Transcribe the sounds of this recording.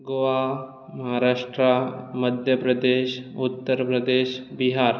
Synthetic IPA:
ɡoʋa | mɐɦaɾaʂʈɾaməd̪ʱjəpɾəd̪eʃut̪ːəɾpɾəd̪eʃbiɦaɾ

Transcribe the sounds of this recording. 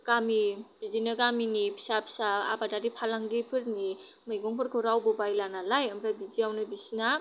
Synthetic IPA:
ɡ̥amibizinɯɡaminipʰi̥sapʰi̥saa̰badaɾipʰalaŋɡipʰɯɾnimajɡɔŋpʰɯɾkʰɔɾawbubajlanalajɐmɾabid͡ʒijawnɯbisina

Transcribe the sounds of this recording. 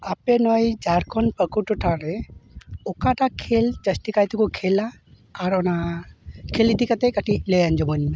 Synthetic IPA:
apenɔjd͡ʒaɾkʰɔnpəkuʈuʈʰaɾɛ | ɔkaʈakʰeld͡ʒəsʈikajt̪ikukʰɛlaː | ɾɔna | kʰelit̪ikat̪ɛkaʈilejand͡ʒɔbɔnme

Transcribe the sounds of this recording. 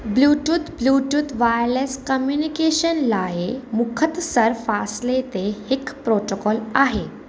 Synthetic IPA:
bluʈuːt̪bluʈuːt̪ʋajleskəmjunikeɕənlaemukʰət̪səɾfaslet̪ehekpɾoʈokɔlaɦe

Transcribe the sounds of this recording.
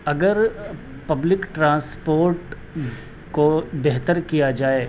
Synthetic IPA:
ɐɡəɾ | pɐblɪkʈɾãːspoːɾʈ | kobɛɦt̪əɾkijad͡ʒaːe

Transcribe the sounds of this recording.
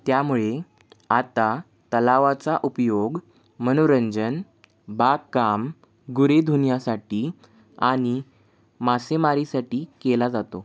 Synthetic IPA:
t̪jamuɭe | at̪a | t̪əlaʋat͡saʔupjoɡ | mənoɾəɲd͡zən | bakːam | ɡuɾed̪ʱunjasaʈiː | aɽ̃i | masemaɾisaʈiːkelad͡zat̪o

